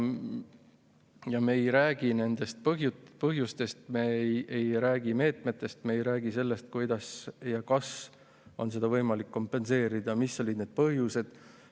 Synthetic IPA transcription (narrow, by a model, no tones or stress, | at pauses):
jɑmeejɾæːɡ̥ine̞nd̪̥e̞st̪̚pɦjupɤɦjust̪e̞st̪meejɾæːɡ̥ime̞ːt̪me̞t̪ːˑe̞st̪meejɾæːɡise̞lːe̞st̪̚kujd̪̥ɑsjɑkɑs | o̞ns̬e̞d̪̥ɑvɤ̞jmɑlikːo̞mpːˑe̞nse̞ːɾid̪̥ɑmisːo̞lʲid̪ned̪̥̚pɤɦjuse̞d̪̥